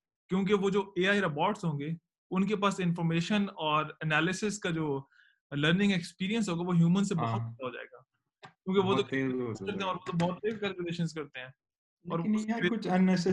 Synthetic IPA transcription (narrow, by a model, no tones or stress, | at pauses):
kjõːk̬eʋod͡ʒoːeːaːiɾɐpɔːɾʈsɦõːŋɡeː | ʊnkepaːsɪnfɔːɾmeːʃənɔːɾɛnɛːlɪsɪskad͡ʒoː | ləɾnɪ̃ŋɡɛkspiːɾijə̃nsɦoːɡaʋoɦjuːmənsebɔɦʊt̪̚bɛd̪aɦoːd͡ʒa̰ːḛːɡaː | kjũːkeʋot̪okɐɾt̪eɦɛ̃ɔːɾʋot̪obɔːt̪̚pekɛːlkʊleːʃənskɐɾt̪eɦɛ̃ː | ɔːɾeʊt͡ʃɐnːɛsɛ